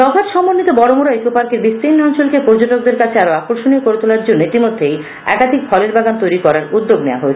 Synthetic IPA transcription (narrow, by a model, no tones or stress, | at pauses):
tɔbʱaɾʃɔmːonːit̪obɔɾomoɾajkopaɾkeɾbist̪ɾinːɔnt͡ɕolkepoɾd͡ʑoʈok̚d̪eɾkat͡ɕʰeaɾoakoɾʃoniokoɾet̪olaɾd͡ʑonːoit̪imod̪ʱːej | ɛ̰kad̪ʱik̚fʰɔleɾbaɡant̪ojɾikɔɾaɾud̪ːoɡnea̰ɦoet͡ɕʰe̥